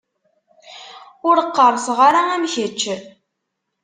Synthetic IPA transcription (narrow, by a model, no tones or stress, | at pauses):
ʊɾqːəɾˤsʁɑɾaæmçət͡ʃːə